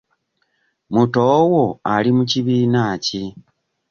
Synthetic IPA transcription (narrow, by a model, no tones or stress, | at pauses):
mutowoalimuciβiːnaːci